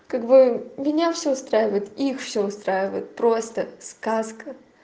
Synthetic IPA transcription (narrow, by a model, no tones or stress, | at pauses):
kaɡbɨmʲɪnʲafsʲoʊst̪ɾajɪvəjɪt̪ixfsʲoʊst̪ɾajɪvə̰jɪt̪̚pɾost̪əskaskə